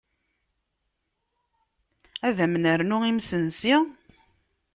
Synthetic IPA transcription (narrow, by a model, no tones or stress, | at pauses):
æðæmnəɾnʊimsənsi